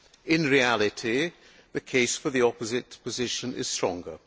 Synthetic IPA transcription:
ɪ̃nɹialˠɪtʰi | ðəkʰeɪsfə˞ðiɒpəzɪtpʰəzɪʃə̃nʔɪ̰z̥stɹ̥ɒ̰̃ŋɡə

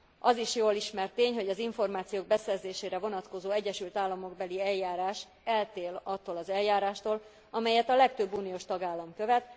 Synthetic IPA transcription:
ɒziʃjoːliʃmɛrt̪ːeːɲɦo̞ɟɒziɱfo̞rmaːt̪sijoːɡ̚bɛsɛrzeːʃeːɾɛvo̞nɒt̪ko̞zoːɛɟːɛʃylt̪aːlːɒmo̞ɡbɛliɛljaːɾaːʃ | ɛlt̪eːlɒt̪ːoːlɒzɛljaːɾaːʃt̪oːl | ɒmɛjɛt̪ɒlɛk̚t̪øbːuːnijoʃt̪ɒɡaːlːɒmkøvɛt̪

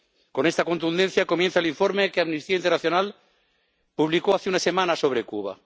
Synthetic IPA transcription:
ko̞nest̪ako̞nt̪und̪enθjakomjenθaeliɱfoɾmekeamnist̪iaint̪ernaθjo̞nal | puβlikoaθeunasemãnaso̞β̞ɾekuβa̰

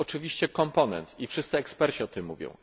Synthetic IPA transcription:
ɔt͡ʂɘvʲiɕt͡ɕɛkɔmpɔnɛ̰nt̪ifʂɘst̪sɘɛkspɛɾt͡ɕiɔt̪ɘmːuvʲjɔ̰̃w̃

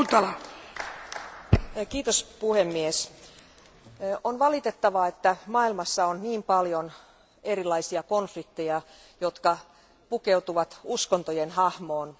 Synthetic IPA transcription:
t̪ɑlɑ | kiːt̪ospuhemːies | onʋɑlit̪et̪ːɑʋɑet̪ːæmɑːilmɑsːɑonniːmpɑljon | eɾilːˑɑisiɑkonflik̚t̪ejɑ | jot̪kɑ | pukeut̪uʋɑt̪uskont̪ojenhɑhmoːn

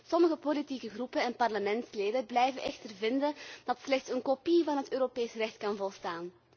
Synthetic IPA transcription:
sɔməɣəpolitikəɣrupənɛnpɑrləmɛntsleːdəblɛjvəʔɛxtərvɪndənd̥ɑtslɛxtsənkopivɑnɦətøːɾopeːsrɛxtkɑnvɔlˠstaːn

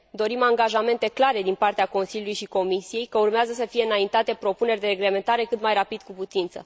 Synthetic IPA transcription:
d̪o̞ɾimaŋɡaʒame̞nt̪e̞klaɾe̞d̪inpart̪eako̞nsiljulujʃiko̞misije̞jkəurmeazəs̬əfije̞ɨnaint̪at̪e̞pɾo̞pune̞rʲd̪e̞ɾe̞ɡle̞me̞nt̪aɾe̞kɨt̪majrapid̪kuput̪int̪sə̰

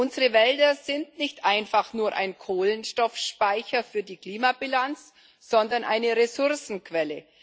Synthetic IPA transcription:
ʔʊnzəʁəvɛldɐzɪntnɪçtʔaɪnfaχnuːɐʔa̰ɪnkʰoːlənʃtɔfʃpaɪçɐfyːɐdiːkl̥iːmabilant͡s | z̥ɔndɐnʔa̰ɪnəʁesʊɐsn̩kv̥ɛlə

